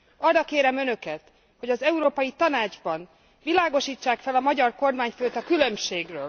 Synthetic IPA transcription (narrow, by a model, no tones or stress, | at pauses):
ɒrːɒkeːɾɛmø̞nø̞kɛt̪ | ho̞ɟɒzɛuɾoːpɒjit̪ɒnaːd͡ʒbɒn | vilaːɡo̞ʃiːt͡ʃːaːkfɛlɒmɒɟɒrko̞rmaːɲføːt̪ɒkylø̞mʃeːɡrøːl